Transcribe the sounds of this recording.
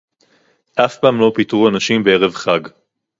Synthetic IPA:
ʔafpaːmlo̞pit̪ʁuanaʃimbee̞ʁe̞vχaɡ

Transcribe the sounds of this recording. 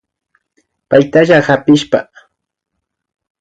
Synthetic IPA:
pajt̪aʒahapɪʃpa̰

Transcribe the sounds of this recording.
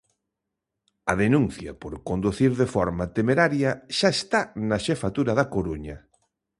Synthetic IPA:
ɐðenunθjɐ̰poɾkond̪uθiɾðefɔɾmat̪emeɾaɾjɐʃaest̪anɐʃefat̪uɾɐðɐkoɾuɲɐ

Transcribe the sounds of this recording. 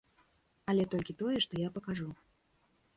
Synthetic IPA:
ɐlʲɛt̪ɔlʲkʲit̪ɔjɛʂt̪ɔjapɐkaʐu

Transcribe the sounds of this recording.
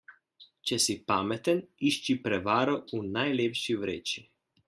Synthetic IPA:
t͡ʃɛsipaːmɛt̪əniʃt͡ʃipɾɛʋaːɾɔunajleːpʃiwɾeːt͡ʃi

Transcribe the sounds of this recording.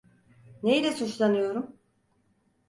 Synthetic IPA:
nejlʲɛsut͡ʃlˠanɯjo̞ɾum

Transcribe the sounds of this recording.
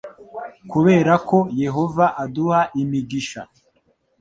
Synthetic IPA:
kuβe̞ːɾako̞je̞ɦo̞vaʔaduhaʔimiɡiʃa̰

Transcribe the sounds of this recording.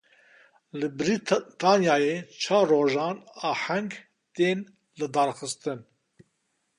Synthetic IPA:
lɨbɾit̪ɑːnjaːjeːt͡ʃʰɑːrːoːʒɑːnɑːħɛŋɡ | t̪eːn | lɨd̪ɑːɾxɨst̪ɨn

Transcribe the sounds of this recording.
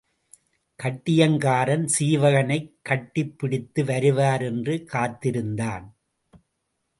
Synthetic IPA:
kɐʈːɪjɐŋɡaːɾɐnsiːʋɐɣɐnɐɪkːɐʈːɪpːɪɽɪt̪ːɯʋɐɾɯʋaːɾɛndrɯkaːt̪ːɪɾɯnd̪aːn

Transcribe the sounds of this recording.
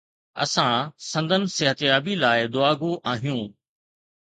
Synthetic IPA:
ɐ̰sãsɐ̃nd̪ʱənɪ̆sɪɦət̪jaːbilaːɪd̪ʊaːɡũʔaːɦijũː

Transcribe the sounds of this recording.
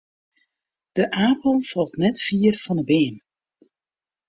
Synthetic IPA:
d̥əʔaːpəl̩ˠfɑlˠtnɛtfiərfɑndəbeːn

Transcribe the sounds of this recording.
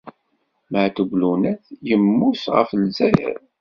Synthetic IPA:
məʕt̪əblunæθjəmːusʁə̰flzæjə̰ɾ

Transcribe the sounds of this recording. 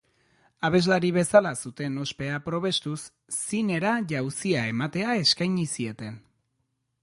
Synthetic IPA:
aβ̞e̞zlaɾiβ̞e̞salasut̪e̞no̞spe̞apɾo̞βe̞st̪usː | ine̞ɾaʝawsiae̞mat̪e̞ae̞skajɲisie̞t̪e̞n

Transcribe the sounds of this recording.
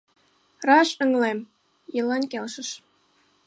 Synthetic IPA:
rɑɕə̆ŋlem | jəlɑnkelʃəʃ

